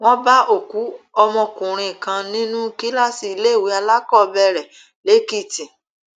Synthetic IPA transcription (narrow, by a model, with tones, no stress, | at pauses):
w̃ɔ̃˦ba˦o˦˨ku˨˦ɔ˧mɔ̃˧kũ˨ɾ̃ĩ˧˨kã˧nĩ˦nũ˦ki˦la˦si˧i˧le˦˨wi˨˦a˧la˦kɔ˦˨bɛ˧ɾɛ˨ | le˨˦ki˦˨tĩ˨